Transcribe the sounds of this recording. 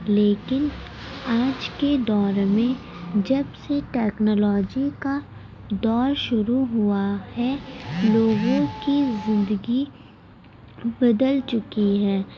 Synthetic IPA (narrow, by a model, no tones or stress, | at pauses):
leːkɪn | aːd͡ʒked̪ɔːɾmẽ | d͡ʒɐbseʈɛːknɔːlɔːd͡ʒika | d̪ɔːɾʃʊɾuɦʊahɛloːɡõkizɪ̃nd̪əɡi | bɐd̪əlt͡ʃʊkiɦɛː